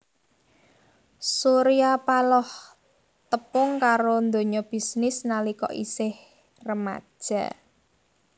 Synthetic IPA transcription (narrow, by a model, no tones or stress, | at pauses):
suɾiapalɔh | t̪əpʊŋkaɾond̪o̤ɲɔb̥i̤snɪsnalikɔ̰ʔḭsɪh | rəma̰d̥ʒ̥a̰